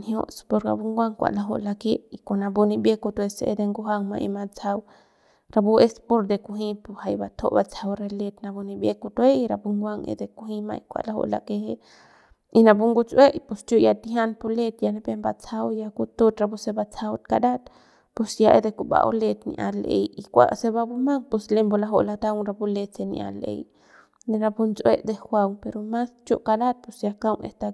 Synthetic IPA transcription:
nhjo̰ʔspoɾka̰buŋɡʷaŋkʷa̰ʔlaɦo̰ʔlakeʔikunabunibekut̪weseʔed̪eŋɡuɦaŋma̰ʔḭmat͡saw | ɾabuʔespoɾd̪ekuɦĩpohajbat̪ʰo̰ʔbat͡sʰawɾelet̪nabunĩbjekut̪weiɾa̰buŋɡʷaŋḛd̪ekuɦĩma̰ikʷa̰laho̰ʔla̰kehe | inabuŋɡut͡sweʔpost͡ʃoʔjat̪iɦanpolet̪janebembat͡sʰawjakut̪ot̪ɾabusebat͡sawt̪̚kad̪at̪ | posjaʔed̪ekuba̰ʔo̰let̪nḭʔa̰lḛjikʷa̰ʔseβabumaŋposlembolaɦoʔlat̪awŋɾabulet͡senḭʔa̰lḛj | deɾabunt͡sweʔd̪exwawŋpeɾomast͡ʃo̰ʔkadat̪̚posjakawŋḛst̪a

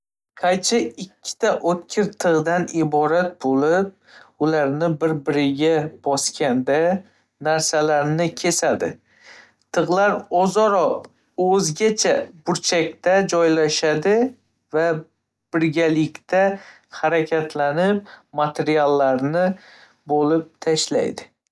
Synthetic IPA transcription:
qʰajt͡ʃʰɪɪkʲʰːɪ̥t̪ʰaʔot̪̚kʲʰɪɾt̪ʰɨʁd̪anɪbɒɾat̪̚bolɪp̚ | ʊlaɾnɪbɪɾbɪɾɪɡʲab̥ɒskʲand̪a | naɾsalaɾnɪkʲʰe̞sad̪ɪ̰ | t̪ʰɨʁlaɾɒzɒɾɒ | ɵzɡʲat͡ʃʰabʊɾt͡ʃʰakʲt̪ad͡ʒɒjlaʃad̪ɪ | va | b̥ɪɾɡʲalɪkʲt̪ʰa | haɾakʲʰat̪ʰlanɪp̚mat̪ʰe̞ɾialˠːaɾnɪ | bolɪp̚t̪ʰaʃla̰jd̪ɪ

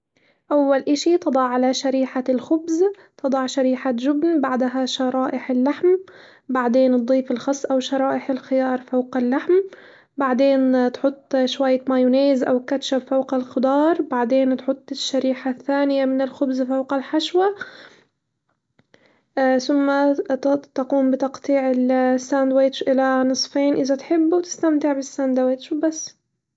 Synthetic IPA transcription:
ʔawːalʔaʃit̪ɨd̪ˤɑʕːalaʃaɾiːħalxʊbz | t̪ɨd̪ˤɑʕʃaɾiːħaʒʊbnbaʕd̪aɦaʃɑɾˤɑːʔɪħɪlːaħm | baʕd̪eːnt̪̚d̪ˤiːfɪlxɑsˤːʔawʃɑɾˤɑːʔɪħɪlxɪjɑːɾˤfawqɪlːaħm | baʕd̪eːnt̪ħʊt̪ˤːʃwajːamajʊneːzʔawkat̪ʃabfawqalxʊd̪ɑːɾˤbaʕd̪eːnt̪ħʊt̪ˤːɪʃːaɾiːħaθːaːnɪjamɪnɪlxʊbzfawqalħaʃwa | θʊmːa | t̪aquːmbɪt̪ɑqt̪ˤiːʕɪlsːaːnd̪weːt̪ʃʔɪlanɨsˤfeːnʔɪðat̪ħɪbːuwt̪ɪ̥st̪amt̪ɪʕbɪsːand̪aweːt̪ʃbasː

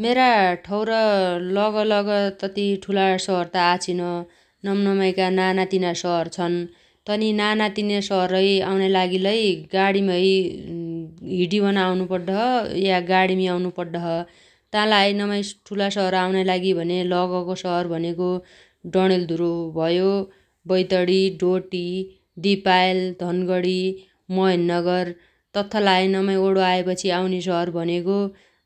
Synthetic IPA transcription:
meɾaʈʰʌwɾʌlʌɡʌlʌɡʌt̪ʌt̪iʈʰulasʌɦʌrt̪aːt͡sʰinʌ | nʌmnʌmʌjkananat̪inasʌɦʌrt͡sʰʌn | t̪ʌninanat̪inasʌɦʌrʌjawnelaɡilʌjɡaɽimʌj | ɦiʈibʱʌnawnupʌrd̪ʌɦʌjaɡaɽimiawnupʌrd̪ʌɦʌ | t̪ãlajnʌmʌjʈʰulasʌɦʌɾawnajlaɡibʱʌnelʌɡʌkosʌɦʌrbʱʌneko | ɖʌɽ̃eld̪ʱuɾobʱʌjo | bʌjt̪ʌɽiɖoʈi | d̪ipajld̪ʱʌnɡʌɽi | mʌjnːʌɡʌr | t̪ʌt̪ʰːʌlajnʌmʌjoɽoaepʌt͡sʰiawnes̬ʌɦʌrbʱʌneko

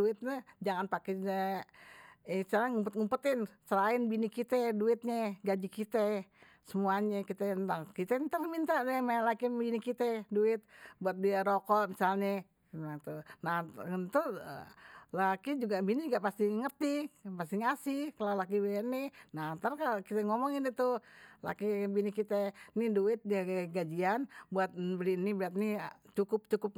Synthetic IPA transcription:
uɪt̪̚ɲɛd͡ʒaŋant̪akinɛ | st͡ʃalaŋumpət̪ŋumpət̪ɪnsəɾaɪnbinikit̪ɛduɪt̪̚ɲɛɡad͡ʒikit̪ɛ | səmuaɲɛkit̪ɛnt̪aŋkit̪ɛnt̪əmint̪adɛmalakibinikit̪ɛduɪt̪̚buat̪̚diaɾokɔʔmisalɲa | at̪unaŋənt̪ṵ | lakid͡ʒuɡabinid͡ʒuɡaʔpast̪iŋərt̪ipast̪iŋasɪkalalak̬ibininat̪arkakit̪ɛŋɔmɔŋinit̪ula̰kibinikit̪ɛniduɪt̪̚diaaɡad͡ʒianbuat̪̚bəlinibɾiat̪̚nit͡ʃukʊp̚t͡ʃukʊp̚

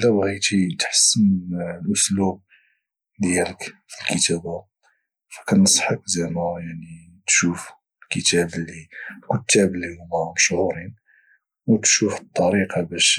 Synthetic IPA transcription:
læbɣijt̪int̪ħə̥sːənlʔʊslub̚ | d̪jæləkfəlkət̪æba | fæ̥kænsˤħək̚zæmæjaʕni | t̪ʃuf | lkət̪æbəlːilkʊt̪ʰːæbəlːihʊmæməʃʕuɾin | wt̪ʃufət̪ˤːɑɾiqɑbæʃ

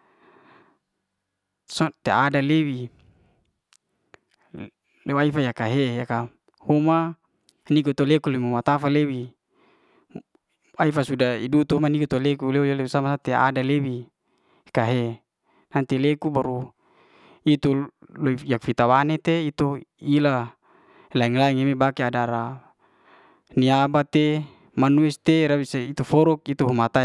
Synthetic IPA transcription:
sɔt̪eadalewi | lewaifajakaɦejaka | homa | nik̬ut̪olekuloimumat̪afalewi | aifasudaidut̪uɦmanikut̪olekuleujalewisamasat̪ea̰dalewi | kaɦe | nant̪ilekubaɾu | it̪uloijakfit̪awanet̪eit̪oila | laiŋlaiŋemebakiadaɾa | niabat̪e | manuɛst̪eɾabisait̪ufɔɾɔk̚it̪uɦumat̪a

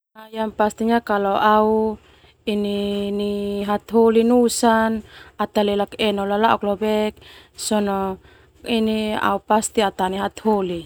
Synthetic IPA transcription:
ajampast̪iɲakalɔʔau | ininiɦat̪ɦolinusanat̪alɛlakɛnɔlalauklɔbɛk̚ | sɔnɔ | inia̰upast̪iat̪aniɦat̪holi

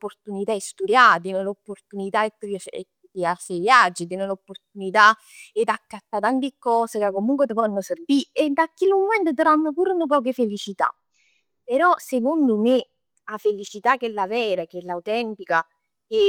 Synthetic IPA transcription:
pːort̪unit̪aest̪ud̪jat̪inelopːort̪unit̪aet̪ḛt | kːiarsevjad͡ʒːid̪inelopːort̪unit̪a | ed̪akːat̪ːat̪ant̪ikːɔːsekakːomuŋkwet̪ofanːoserbied̪akːilmomɛnt̪ot̪ɾanːopuɾnop̬ɔːk̬efelit͡ʃit̪a̰ | peɾɔsekond̪ʊme | afelit͡ʃit̪ak̟ːelːavɛːɾak̟elːawt̪ɛnt̪ika | ke

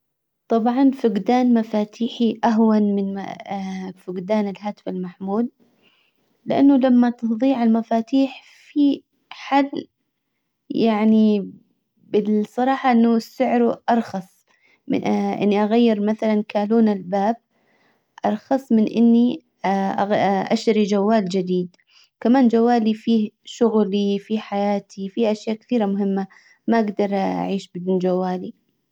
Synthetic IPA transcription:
t̪ˤɑbʕɑnfʊɡd̪aːnmafaːt̪ʰiːħiʔaɦwanmɪnma̰ | fʊɡd̪aːnɪlɦaːt̪falmaħmuːd̪̚ | lɪʔa̰nːʊlamːat̪ɨðˤiːʕalmafaːt̪iːħ | fi | ħalː | jaʕni | bɪlsˤɑɾˤɑːħɑʔɪnːʊsːʊʕɾuʔɑɾˤxɑsˤ | mɪ̰ʔɪ̰nːiʔaɣajːɪɾmaθalankaːluːnalbaːb̚ | ʔɑɾˤxɑsˤmɪnʔɪ̰nːi | ʔʔaʃt̪aɾid͡ʒawːaːld͡ʒɪd̪iːd̪ | kamaːnd͡ʒawːaːlifiːhʃʊɣlifiħajaːt̪ʰifiʔaʃjaːʔkɪ̥θiːɾamʊɦɪmːa | maʔaɡd̪ɑɾˤʔʔa̰ʕiːʃbɪd̪uːnd͡ʒawːaːli

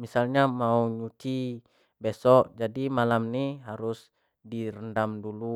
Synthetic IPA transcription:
misalɲamauɲut͡ʃi | besɔʔd͡ʒadimalamniɦaɾʊs | diɾəndamdulu

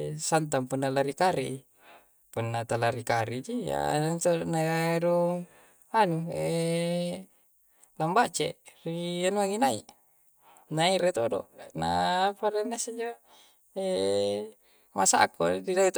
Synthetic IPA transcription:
sant̪̬aŋpunːalaɾikaɾi | punːat̪alaɾikaɾid͡ʒia̰t̪oʔnaɾo | anue | lambat͡ʃerianuaŋinaḭ | naiɾet̪odo̰na̰paɾenːased͡ʒo | e | masaakːo̰dilait̪

